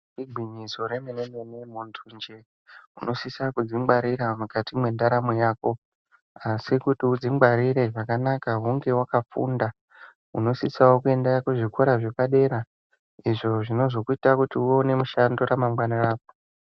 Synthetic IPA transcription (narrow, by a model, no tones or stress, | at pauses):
iɡʱwiɲizo̞ɾe̞menemenemuntʰund͡ʒe | ṵno̞sisakud͡zimɡ͡baɾiɾamukatʰimwe̞ndaɾamojaːko̞ | asikutiud͡zimɡ͡baɾiɾe̞ʐakanakaɦuŋɡe̞wakafṵnda | ṵno̞sisawo̞kue̞ndakuʐikʰoɾaʐe̞paɗe̞ɾa | iʐo̞ʐino̞zokuitakutiuone̞muʃando̞ɾamamwanaraːp̚o̥